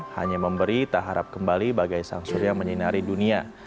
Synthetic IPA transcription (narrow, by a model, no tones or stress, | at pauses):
ha̰ɲaməmbəɾit̪aɦaɾap̚kəmbalibaɡajsa̰ŋsʊɾjaŋməɲinaɾidunia